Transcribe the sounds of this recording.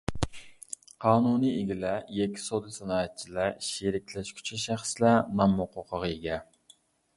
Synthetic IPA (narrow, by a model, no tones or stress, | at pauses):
qʰɑːnunieɡʲilɛjɛkʲʰːi̥sod̪ɨsɑnɑːɛt̪̚t͡ʃʰilæʃeɾɪkʲlɛʃkʲʰy̥t͡ʃʰɛʃæχslænɑmːoqʰoqʰəʁeɡʲɛ